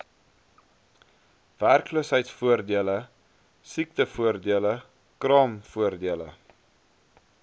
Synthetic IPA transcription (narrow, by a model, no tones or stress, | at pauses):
værkluəsɦəjtsfuərdiələ | sik̚təfuərdiələ | krɑːmfuərdiələ̰